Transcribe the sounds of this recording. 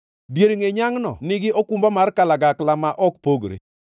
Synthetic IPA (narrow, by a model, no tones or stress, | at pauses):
djeɾŋeɲaŋnɔ̰nɪɡɪʔokumbamarkalaɡaklamaʔɔk̚poɡɾḛ